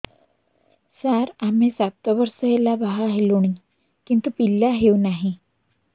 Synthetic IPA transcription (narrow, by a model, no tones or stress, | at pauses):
saɾamesat̪ʋəɾsəɦelabaɦaɦeloɽ̃i | kint̪upilːaɦeunaɦi